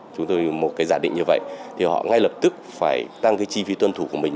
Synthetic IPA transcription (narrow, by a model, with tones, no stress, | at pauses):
t͡ɕʊ˨˦ŋ͡mt̪o˧jmo˨˩t̚kaː˨˦jzaː˧˩ɗḭ˧˨ŋ̟ɲɨ˧və̰˧˨jt̪ʰi˨˩hɔ̰˧˨ŋa˧jlə˨˩p̚t̪ɨ˦˥k̚faː˧˩jt̪a˧ŋkaː˨˦jt͡ɕi˧fi˨˦t̪wə˧nt̪ʰu˧˩ku˧˩əmï˨˩ŋ